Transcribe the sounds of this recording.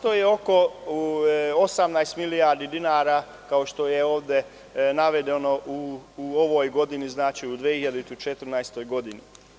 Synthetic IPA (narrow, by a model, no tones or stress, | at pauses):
t̪ojeo̞ko̞ | osamnajst̪milijaːɾd̪id̪inaːɾaː | kao̞ʃt̪o̞jeo̞ːʋd̪e | naʋe̞d̪eno̞ʔuoʋojɡo̞d̪iniznaːt͡ʃiud̪ʋehiʎad̪it̪ut͡ʃet̪ɾ̩najst̪o̞jɡo̞d̪ini